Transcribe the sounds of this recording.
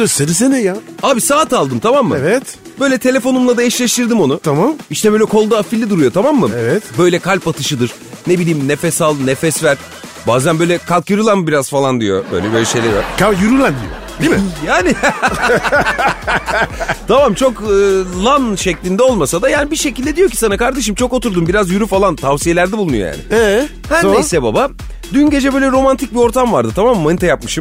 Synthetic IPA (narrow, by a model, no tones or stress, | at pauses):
d̪iseɾis̬enɛjaaːbisaːt̪alˠd̪ɯmt̪ʰamamːɯvɛt̪ | b̥ø̞jlʲɛt̪ʰe̞lʲe̞fo̞numlˠad̪ajaʃlʲeʃt̪ɯɾd̪imo̞nut̪ʰamamiʃt̪ʰɛbøjlʲɛkʰo̞lˠd̪aafilʲːid̪uɾujo̞t̪ʰamamːɯevɛt̪bø̞jlʲɛkʰalʲpat̪ʰɯʃɯd̪ɯɾ̥ | ne̞bilʲiːmnefɛsalˠnefɛsvæɾ̥ | baːzænbø̞jlʲɛkʰalkjɯɾɯlˠanbiɾazfalˠand̪ijo̞̰bø̰jlʲɛbø̞jlʲɛʃe̞jlʲeɾvaɾkʰajyɾylʲænd̪ḭjo̰d̪imjaːni | t̪ʰamamt͡ʃʰo̞kɯːlˠanʃeclʲind̪ɛo̞lˠmasad̪ajaːnibiɾʃecilʲd̪ɛd̪ijo̞cʰi̥sanakaɾd̪e̞ʃ̬ɯmt͡ʃʰo̞kot̪uɾd̪umbiɾazjyɾyfalˠant̪ʰavsije̞lʲæɾd̪ɛbulˠunujoja̰ːnɪ̰ɛ | hænisɛbaba | d̪ynɟe̞d͡ʒɛbøjlʲɛɾo̞mant̪ʰic̚bio̞ɾt̪ʰamvaɾd̪ɯt̪ʰamammːanit̪ʰajapmɯʃɯm